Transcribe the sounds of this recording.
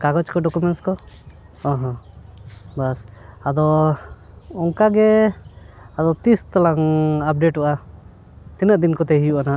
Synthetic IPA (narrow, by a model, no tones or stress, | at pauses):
kaɡɔt͡ʃkɔɖɔkumɛnskɔ | ɔ̃ɦɔ̃ | basad̪ɔ | ɔŋkaɡɛ | ad̪ɔt̪ist̪alaŋap̚ɖeʈɔʔa | t̪inəʔd̪inkɔt̪ɛɦijuʔana